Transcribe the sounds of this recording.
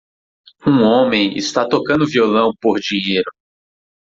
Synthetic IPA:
ũõmẽj̃ɪ̰st̪at̪okɐ̃nd̪ʊviolɐ̃w̃poɾd͡ʒĩɲejɾʊ

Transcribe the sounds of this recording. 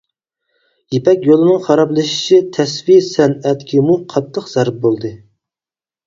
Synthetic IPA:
jepɛkʲjolˠɨnɨŋχɑɾɑplˠɨʃi̥ʃʰit̪ʰɛsvisɛnɛt̪kʲʰimuqʰɑt̪ʰːəqz̥æɾp̚bolˠd̪ɨ

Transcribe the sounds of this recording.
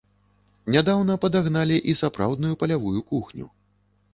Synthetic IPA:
nʲad̪awn̪ɐpɐd̪aɣnalʲiʔisapɾa̰wd̪nujupɐlʲavujukuxnʲṵ

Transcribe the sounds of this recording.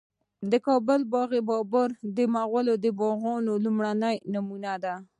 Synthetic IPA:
d̪əkɑbəlbɑɣebɑbəɾd̪əmaɣwəlod̪əbɑɣɑnolumɽanəjnamunad̪a

